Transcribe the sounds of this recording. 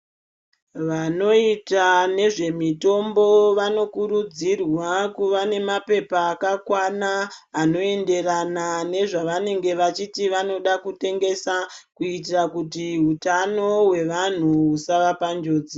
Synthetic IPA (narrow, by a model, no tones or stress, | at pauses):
ʋano̞itane̞ʐe̞mito̞mbo̞ʋano̞kuɾud͡zirwakuʋane̞mape̞paːkakwanaːno̞e̞nde̞ranane̞ʐaʋane̞ŋɡe̞ʋat͡ʃitiʋano̞ɗakute̞ŋɡe̞sakuit̬irakutiɦutano̞we̞ʋan̤uusaʋapand͡ʒo̞ːd͡zi